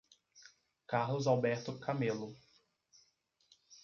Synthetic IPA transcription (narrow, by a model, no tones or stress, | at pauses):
kahlʊzawbɛɾt̪ʊkʰamelʊ